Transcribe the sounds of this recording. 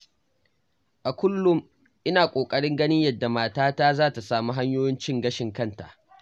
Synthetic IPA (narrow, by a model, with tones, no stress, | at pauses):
ʔa˨kʷʊ˦lːʊ˦m | ʔɪ˦naː˨kʷʼoː˨kʼɐ˦ɽɪ˦ŋɡɐ˦nɪ˦ɲjɐ˦dːa˨maː˦taː˦taː˦zaː˦ta˨saː˨mu˦ɦa˦ɲjoː˦jɪ˦nt͡ʃɪ˦ŋɡɐ˦ʃɪ˨ŋkɐ˦˨nta̰˨ʔ